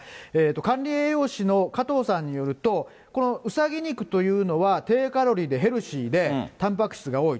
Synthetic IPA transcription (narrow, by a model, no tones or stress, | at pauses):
eːt̪ːo̞kãnʲɾʲieːjo̞ːɕino̞kat̪o̞ːsãɲ̟ːijo̞ɾɯ̟t̪o̞ | ko̞no̞ɯ̟saɡʲiɲ̟ikɯ̟̥t̪o̞jɯ̟ːno̞βat̪e̞ːkaɾo̞ɾʲid̪e̞ɦe̞ɾɯ̟ɕiːd̪e̞t̪ãmp̬akɯ̟̥ɕi̥t͡sɨɡao̞ːi